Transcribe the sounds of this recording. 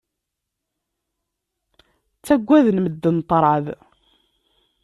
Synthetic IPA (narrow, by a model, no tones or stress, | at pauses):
t͡sːæɡʷːæðnməd̪ːənt̪ˤːɾˤʕəð